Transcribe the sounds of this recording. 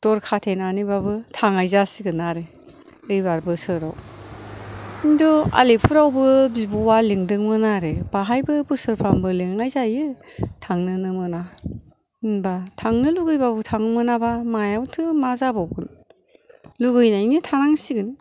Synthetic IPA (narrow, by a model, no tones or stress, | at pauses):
d̥ɔɾkʰatʰenanibabɯtʰaŋajzasiɡɯnaɾe | ɯjbaɾbɯsɯɾa̰w | indɔa̰lepʰuɾawbɯbibuwaliŋdɯŋmɯnaɾeb̥aɦajbɯbɯsɯɾpʰambɯleŋajzajɯtʰaŋnɯnɯmɯna | inbatʰaŋnɯluɡɯjbabɯtʰaŋmɯnabamajawtʰɯmazabawɡɯn | luɡɯjnainitʰanaŋsiɡɯn